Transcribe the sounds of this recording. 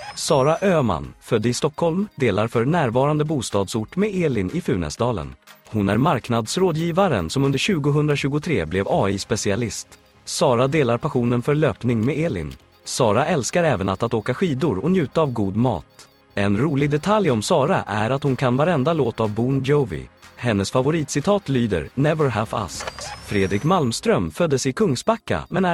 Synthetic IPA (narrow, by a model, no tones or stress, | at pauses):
sɑːɾaʔøːma̰nfœd̪ːəɪst̪ɔkhɔlmd̪eːlaɾfœɾnæːɾvɑːɾand̪əbuːst̪ɑːd̪sʊʈːmɛeːlɪnʔɪfʉ̟ːnɛ̰sd̪ɑːlə̰nhʊnæ̰ɾmaɾknad̪sɾoːd̪jiːvaɾə̰nsɔmɵnd̪əɾɕʉ̟ːɡʊɦɵnd̪ɾaɕʉ̟ːɡʊt̪ʰɾeːblɛvɑːispɛsɪalɪst̪ | sɑːɾad̪eːlaɾpʰaɧuːnənfœɾɭøːpnɪŋmɛeːlɪ̰n | sɑːɾaʔɛlskaɾɛːvənat̪at̪oːkaɧiːd̪ʊɾɔnjʉ̟ːt̪aːvɡuːd̪mɑ̰ːt̪ | ɛnɾuːlɪɡ̚d̪ɛt̪ʰaljɔmsɑːɾaʔæɾat̪hʊnkʰanvaɾɛnd̪aloːt̪avbuːnjɔvɪ̰hɛnːəsfavʊɾiːt̪sɪt̪ʰɑːt̪lyːd̪ə̰ɾnɛvəɾɦæva̰skfɾeːd̪ɾɪkmalmst̪ɾœmfœd̪ːəsɪkʰɵŋsbakːa̰mɛnæ